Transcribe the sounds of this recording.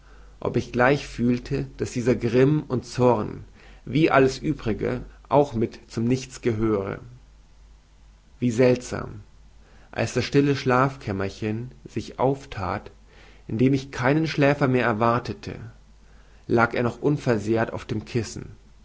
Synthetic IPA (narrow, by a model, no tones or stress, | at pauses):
ʔɔ̰pɪçɡ̥laɪçfyːltʰəd̥asd̥iːzɐɡʁɪmʊntt͡sɔʁn | viːʔaləsʔyːbʁɪɡə̰ʔaʊxmɪtt͡sʊmnɪçt͡sɡ̥əɦøːʁə̰ | viːzɛltz̥a̰ːm | ʔa̰lsd̥asʃtɪləʃlaːfkʰɛmɐçənzɪçʔa̰ʊftʰa̰ːt | ʔɪndeːmɪçkʰaɪnənʃlɛːfɐmeːɐɛɐvaɐtʰətʰə̰ | laːkeːɐnɔχʔʊnfɛɐzeːɐta̰ʊfd̥eːmkʰɪsn̩